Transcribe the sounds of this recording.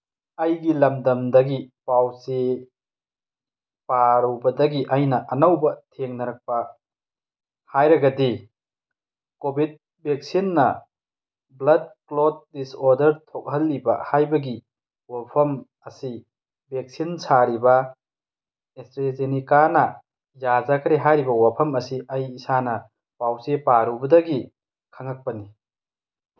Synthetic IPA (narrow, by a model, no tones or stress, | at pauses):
ɐjɡilɐmdɐmdɐɡipawse | paɾɐwbɐdɐɡiʔɐjnɐʔɐnɐwbɐtʰeŋnɐɾɐk̚pɐ | hajɾɐɡɐdi | kobid̚ | bek̚sinːɐ̰ | blɐd̚klod̚ːisoɾdɐɾtʰok̚ɦɐlːibɐ̰hajbɐɡi | wapʰɐm | ɐsi | bek̚sinsaɾibɐ | estɾezenikanɐ | jazɐkʰɾeɦajɾibɐwapʰɐmɐsiɐjːsanɐ | pawsepaɾubɐdɐɡi | kʰɐŋɐk̚pɐni